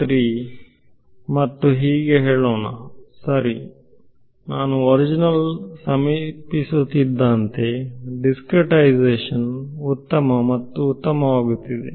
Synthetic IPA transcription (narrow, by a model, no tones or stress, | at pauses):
t̪ɾiː | mɐt̪ːuɦiːɡeɦeːɭoːnasɐɾi | naːnuɔɾid͡ʒinɐlsɐmipisut̪id̪ːant̪e̞ɖiskɾeʈɐjd͡ʒeːʂɐnut̪ːɐmɐmɐt̪ːuːt̪ːɐmɐʋaːɡut̪ːid̪ḛ